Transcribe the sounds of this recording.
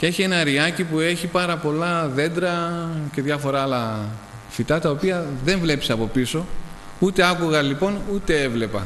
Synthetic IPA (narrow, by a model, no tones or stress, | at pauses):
cee̞çie̞nɐɾiɐcipue̞çipɐɾɐpo̞lɐðe̞nd̪ɾɐce̞ðʝɐfo̞ɾɐlɐ | fit̪ɐt̪ɐo̞piɐðe̞ɱvle̞pseɐpo̞piso̞ | ut̪e̞ɐkuɣɐlipo̞nut̪e̞e̞vle̞pɐ̰